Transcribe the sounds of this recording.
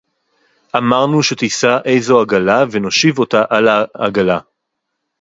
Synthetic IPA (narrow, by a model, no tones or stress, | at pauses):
ʔamaʁnuʃe̞t̪isaʔe̞jzoaɡalaveno̞ʃivo̞taʔalaːɡala